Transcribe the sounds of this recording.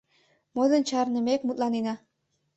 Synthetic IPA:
mod̪ənt͡ɕɑrnə̆mekmut̪lɑnenɑ

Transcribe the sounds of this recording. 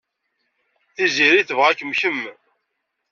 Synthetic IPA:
θiziɾiθəvʁækːəmçəmː

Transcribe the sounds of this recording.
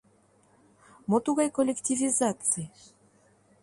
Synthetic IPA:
mot̪uɣɑjkolʲektʲivʲizat̪t͡sɨj

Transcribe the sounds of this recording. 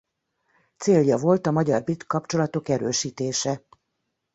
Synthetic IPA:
t̪seːljɒvo̞lt̪ɒmɒɟɒrbit̪kːɒpt͡ʃo̞lɒt̪o̞kɛɾøːʃiːt̪eːʃɛ

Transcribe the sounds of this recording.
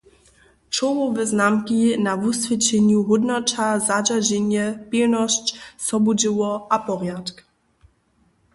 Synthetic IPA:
t͡ʃɔwɔvɪznamkinavusvʲɛt͡ɕɛɲuɦud̪nɔt͡ʃazad͡ʑad͡ʑɛɲjɛpilnɔɕt͡ɕsɔbud͡ʑɪwɔʔapɔʁjatk

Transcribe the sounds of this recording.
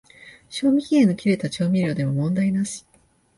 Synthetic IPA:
ɕo̞ːmʲiçʲiẽno̞kʲiɾe̞t̪at͡ɕo̞ːmʲiɾʲo̞ːd̪e̞mo̞mõ̞nd̪ainaɕi̥

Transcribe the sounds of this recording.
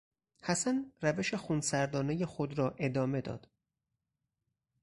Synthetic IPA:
hæsænræve̞ʃexunsæɾd̪ɒːnejexod̪ɾɒːʔe̞d̪ɒːme̞d̪ɒ̰ːd̪̥

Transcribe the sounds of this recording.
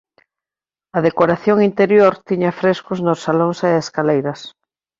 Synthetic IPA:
ɐðekoɾaθjoŋint̪eɾjoɾt̪iɲɐfɾeskʊznosːaloŋseeskalejɾɐs

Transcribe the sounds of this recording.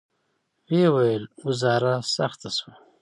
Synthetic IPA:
wewajəlɡuzɑːɾasaxt̪aswa

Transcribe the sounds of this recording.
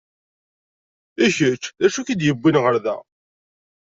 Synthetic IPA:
içət͡ʃːðæʃukid̪jəbːinʁəɾðæ̰

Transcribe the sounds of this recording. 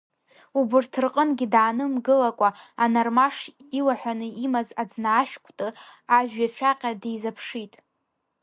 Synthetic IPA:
ubɨrtʰɨrqʼənɡʲidaːnɨmɡɨlakʷʼaanarmaʂilaħʷᶣanɨimazad͡znaːʃᶣkʷʰʼtʼɨaʒᶣat͡ʃʷʰaqʲʼadejzapʰʂitʼ

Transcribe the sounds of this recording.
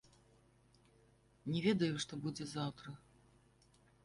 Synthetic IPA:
nʲɛvʲɛd̪ɐjuʂt̪ɔbud͡zʲɛzawt̪ɾɐ

